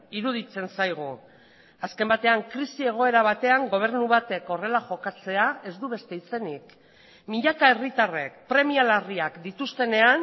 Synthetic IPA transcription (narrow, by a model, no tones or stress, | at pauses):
iɾuð̞it͡se̞nsajɣ̞u | aske̞mbat̪e̞aŋkɾisie̞ɣ̞o̞e̞ɾaβat̪e̞aŋɡo̞β̞e̞ɾnuβat̪e̞ko̞re̞laʝo̞kat͡se̞ae̞zd̪uβe̞st̪e̞it͡se̞nik | miʎakae̞rit̪are̞̰k̚pɾe̞mialariakd̪it̪ust̪e̞ne̞an